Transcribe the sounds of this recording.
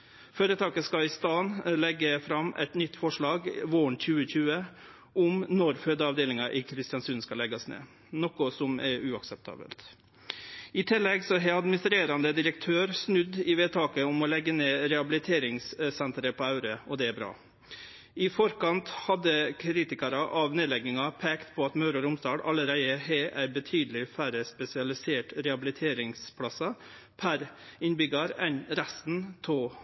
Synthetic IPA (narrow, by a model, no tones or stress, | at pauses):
føːɾət̪ʰɑːkəskɑɪst̪ɑːnlɛɡːəfɾɑmʔɛ̰t̪nʏt̪ːfɔʂɭɑːɡʋoːɳc͡çʉːəçʉːə | ʔʊmnɔɾføːd̪əɑʋd̪eːlɪŋɑʔɪkʰɾɪst̪ɪjɑnsʉːnskɑlɛɡɑsnḛː | nɔkʊsɔmɛɾʉɑksɛp̚t̪ʰɑ̰ːbə̰lt̪ | ɪt̪ʰɪlːɛɡsɔɦɛɑd̪mɪnɪst̪ɾeːɾɑnd̪əd̪ɪɾəkt̪ʰøːɾsnʉd̪ɪʋeːt̪ʰɑːkəʊmɔlɛɡːəneːɾɛɑbɪlɪt̪ʰeːɾɪŋssɛnt̪ɾəpʰɔːɑʉɾəɔd̪ɛæːbɾɑ̰ː | ɪfɔɾkɑnt̪hɑd̪ːəkʰɾiːt̪ɪkɑɾɑʔɑʋneːd̪lɛɡɪŋɑpʰeːkt̪pʰɔɑt̪mɑʉɾʊɾʊmsd̪ɑːɽɑ̰ləɾæɪəheːʔæɪbət̪ʰyːd̪əl̩ɪfæɾəspɛsɪɑlɪseːʈɾɛɑbɪlɪt̪ʰeːɾɪŋspʰɽɑsɑ | pʰæɾɪnbʏɡɑɾɛnɾæst̪n̩t̪ʰoː